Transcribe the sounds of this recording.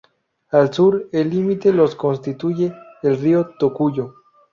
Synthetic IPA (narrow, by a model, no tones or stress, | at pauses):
alsuɾelːimit̪eloskonst̪it̪uʝeːlriot̪okuʝo